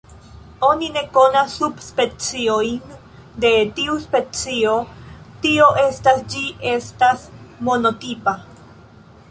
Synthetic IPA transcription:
o̞nine̞ko̞nasːubspe̞t͡siojn | d̪e̞tiuspe̞t͡sio̞tio̞ʔe̞stasd͡ʒiʔe̞stasmono̞tipa

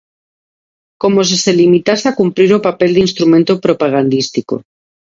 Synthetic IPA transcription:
ko̞mo̞s̬ese̞limit̪aseakumpɾiɾopape̞ld̪inst̪ɾumẽnt̪opɾo̞paɣ̞and̪ist̪iko̰

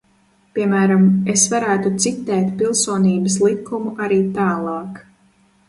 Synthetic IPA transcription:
pʲiɛmæːɾamesvaɾæːt̪ut̪sit̪ːɛːt̪pilˠsuɔniːbɐslˠikːumuʔaɾiːt̪aːlˠɑːk

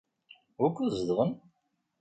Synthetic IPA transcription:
ʊɾkːuzəðʁən

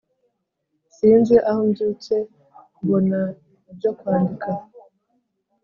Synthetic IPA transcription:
siːnzɡeʔahomɟuːce̞ | kuβo̞na | ibɟo̞kwaːndika

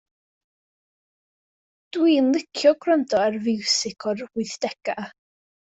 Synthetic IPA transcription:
d̥wiːnlˠɪkʰjɔɡrəndɔarvɪwsɪkʰɔrɪθd̥ɛɡ̥a

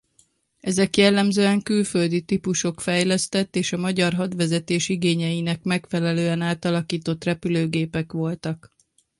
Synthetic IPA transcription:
ɛzɛkjɛlːɛmzøːɛŋkylfø̞ld̪it̪ipuʃo̞kfɛjlɛst̪ɛt̪ːeːʃɒmɒɟɒrɦɒd̪ʋɛzɛt̪eːʃiɡeːɲɛjinɛkmɛkfɛlɛløːɛnaːt̪ɒlɒkiːt̪o̞t̪rɛpyløːɡeːpɛkʋo̞lt̪ɒk

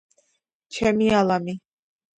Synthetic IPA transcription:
t͡ʃʰɛmialami

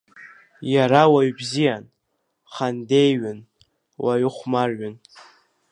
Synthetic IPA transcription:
jaɾawaɥbzijan | χandejɥʏn | wʔaɥʏχʷmarɥʏn

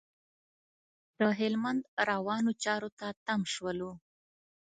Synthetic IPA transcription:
d̪̥əɦɪlmand̪ɾawɑnot͡ʃɑɾot̪at̪amʃwəlu

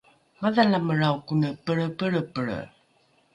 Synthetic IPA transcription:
maðalaməɻawkunəpəɭəpəɭəpəɭə̰

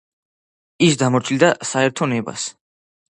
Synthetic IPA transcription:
isd̪amɔɾt͡ʃʰild̪asaɛɾt̪ʰɔnɛba̰s

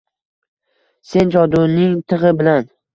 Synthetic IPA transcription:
se̞nt͡ʃʰɒd̪unɪŋt̪ʰɨʁɨbɪlan

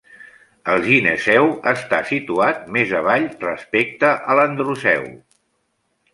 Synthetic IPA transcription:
əlˠʒinesɛwəst̪asit̪uat̪̚mezəβaʎrəspek̚t̪əʔələnd̪ɾusɛ̰w

